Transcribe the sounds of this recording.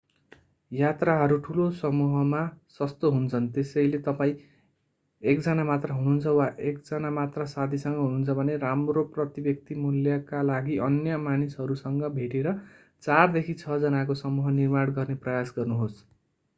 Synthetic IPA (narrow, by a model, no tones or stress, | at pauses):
jat̪raɦʌɾuʈʰulosʌmuɦʌmasʌst̪oɦunt͡sʰʌnt̪esʌjlet̪ʌpaĩ | ekd͡zʌnamat̪raɦununt͡sʰʌwaʔekd͡zʌnamat̪rasad̪ʱisʌŋɡʌɦununt͡sʰʌbʱʌneɾamroprʌt̪ibʌk̚t̪imuljʌkalaɡiʔʌnjʌmanisɦʌɾusʌŋɡʌbʱeʈeɾʌ | t͡sard̪ekʰit͡sʰʌd͡zʌnakosʌmuɦʌnirmaɽɡʌrneprʌjasɡʌrnuɦos